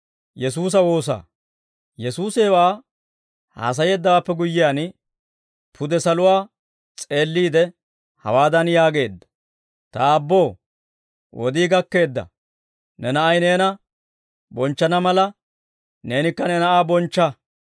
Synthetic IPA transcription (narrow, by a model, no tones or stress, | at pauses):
jɛs̬uːs̬ɐwo̞ːs̬a̰ː | jɛsuːseːwaː | ha̰ːs̬ɐje̞ːd̪ːɐwaːpːɛɡʊjːɪjaːn | pʰʊd̪ɛsɐlʊwaː | t͡sʼe̞ːlːiːd̪ɛ | hɐ̰waːd̪ɐnjaːɡe̞ːd̪ːɐ̥ | t̪ɐːbːo̞ː | wʔɔ̰d̪iːɡɐkːe̞ːd̪ːɐ̰ | nɛnɐʔɐjne̞ːnɐ | bɔnt͡ʃːɐnɐmɐlɐ | ne̞ːnɪkːɐnɛnɐʔaːbɔnt͡ʃːɐ